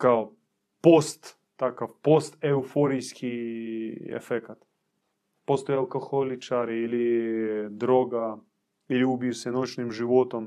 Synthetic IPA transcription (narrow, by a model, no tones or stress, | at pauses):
kao | post̪ː | akofpost̪ɛufoɾʲijskʲʰi | ɛ̰fɛkt̪ | post̪ojɐlˠkoxolʲɪt͡ʃaɾɪilʲɪ | d̪ɾoɡɐ | iliʊbisɛnot͡ʃnɪmʒɪʋot̪om